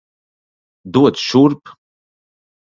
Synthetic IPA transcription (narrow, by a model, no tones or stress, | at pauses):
duwadʃurpʼ